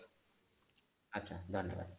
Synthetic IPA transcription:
ɐtːɕʰaːd̪ʱənjə̰ʋa̰d̪

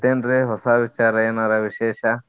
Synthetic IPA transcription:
t̪enɾeɦɔsabit͡ʃaɾɐenaɾabiʃeʃa

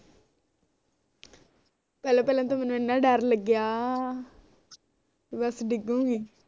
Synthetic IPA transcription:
pɛːlãːpɛːlãːt̪̬õːmɛːnːũːɪnːãːɖəɾləɡjaː | bəsɖɪɡũːɡiː

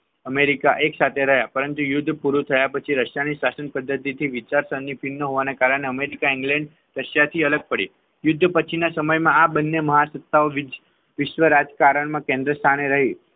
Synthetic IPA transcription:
əmeɾikaʔeksat̪ʰeɾəɦjapəɾənt̪ujʊd̪ʱːpuɾut̪ʰəjapət͡ʃʰiɾəʃjaniʃasənpəd̪ːət̪it̪ʰiʋɪt͡ʃaɾsənːipʰinːəɦoʋanakaɾəɳ̃eəmeɾikaɪŋɡlɛ̃ɳɖ | ɾəʃjat̪ʰiələɡ̚pəɽi | jʊd̪ʱːpət͡ʃʰinasəməjmãabənːeməɦasət̪ːaoʋ | ʋɪʃʋəɾad͡ʒkaɾəɳmãkẽnd̪ɾəst̪ʰaneɾəɦi

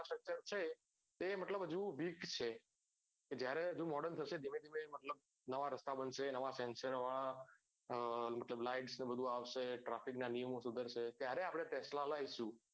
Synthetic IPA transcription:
sʈɾək̚t͡ʃəɾt͡ʃʰe | t̪eməʈləbɦəd͡ʒũʋikt͡ʃʰe | ked͡ʒjaɾeɦəd͡ʒũmɔɽənt̪ʰəʃed̪ʱimẽd̪ʱimeməʈləb̚ | nəʋaɾəst̪abənʃenəʋasɛnsəɾʋaɭa | məʈləblaɪɖsnebəd̪ʱũaʋʃeʈɾafiknanijəmõsud̪ʱəɾʃet̪jaɾeapɽ̃et̪ɛslalaiʃũ

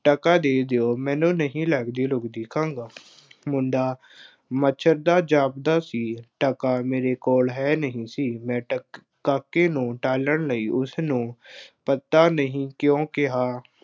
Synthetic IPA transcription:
ʈəkaːd̪eːd̪eoːmɛ̃ːnũːnəɦĩːləɡd̪eːlʊɡd̪iːkʰãːŋɡaː | mʊɳɖaː | mət͡ʃʰəɾd̪aːd͡ʒaːpd̪aːsiːʈəkaːmeːɾeːkoːlɦɛːnəɦĩːsiːmɛ̃ː | kakːẽːnũːʈaːləɳləiːʔʊsnũːpət̪ːaːnəɦĩːkjõːkɪɦaː

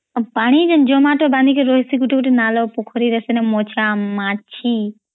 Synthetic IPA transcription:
paːɽ̃id͡ʒɐnd͡ʒomaːʈobãːnd̪ikeɾoːɦisiɡuʈʰikʈinaːloːpukʰoɾiɾɐsenemot͡ʃʰamaːt͡ʃʰi

